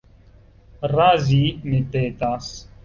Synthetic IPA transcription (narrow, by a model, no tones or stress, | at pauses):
ɾaːziːnet̪eːt̪aːs